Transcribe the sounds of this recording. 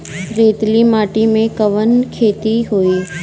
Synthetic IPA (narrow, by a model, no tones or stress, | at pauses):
ɾeːt̪limaːʈimẽkəʋənkʰeːt̪iɦoiː